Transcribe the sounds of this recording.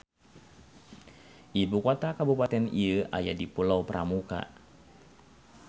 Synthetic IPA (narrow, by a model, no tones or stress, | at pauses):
ʔibukot̪akabupat̪ɛniəʔa̰ja̰dipulawpəɾʔa̰muka̰